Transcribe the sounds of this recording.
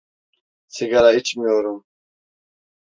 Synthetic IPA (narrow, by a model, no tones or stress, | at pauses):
sʰiɡalait͡ɕʰmioɾum